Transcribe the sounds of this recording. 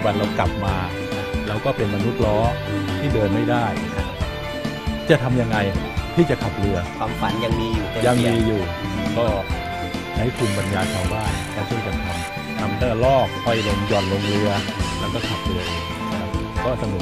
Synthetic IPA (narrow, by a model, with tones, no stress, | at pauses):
ba˨˧˩laː˧˥wkla˨˩p̚maː˧ | lɛː˦˥wkɔː˥˩pe˧nma˧nu˦˥t̪̚lɔː˦˥t̪ʰiː˥˩dɤː˧nma˥˩jdaː˥˩jʰ | a˦˥ | t͡ɕa˨˩t̪ʰa˧mja˧ŋːa˧j | t̪ʰiː˥˩t͡ɕa˨˩kʰa˨˩p̚lɯ˧ɐ | a˨˩fa˧nja˧ŋmiː˧ju˨ja˧ŋmiː˧juː˨˩kɔː˥˩ | da˦˥jk̪ʰu˧nba˧njaː˧k̪ʰa˧wbaː˥˩nkaː˧˥ntʰuː˥˩ka˧˩ŋt̪ʰa˧m | t̪ʰa˧mnɯː˥˩lɔː˥˩k̚hɔ˥˩jlo˧ŋjɔː˨˩n̚lo˧ŋɾɯ˧ɐlɛː˦˥wkɔː˥˩kʰa˨˩p̚lɯ˧ɐʔeː˧ŋ˧kʰa˦˥p̚kɔː˥˩sa˧nɯ˨˩˦